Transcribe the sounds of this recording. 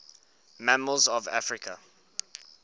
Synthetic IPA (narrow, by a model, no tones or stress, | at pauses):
maməlzɔva̰fɹɪkʰə̰